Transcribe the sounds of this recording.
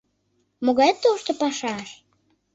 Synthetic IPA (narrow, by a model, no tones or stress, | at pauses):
moɣɑjt̪ːoʃt̪opɑʃɑʃ